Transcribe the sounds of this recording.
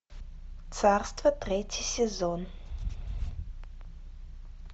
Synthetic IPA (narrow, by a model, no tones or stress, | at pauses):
t̪sʰarst̪vɐt̪rʲetʲʰisʲezɔn